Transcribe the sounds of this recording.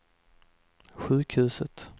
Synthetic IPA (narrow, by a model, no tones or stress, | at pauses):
ɧʉ̟ːkhʉ̟ːsət̪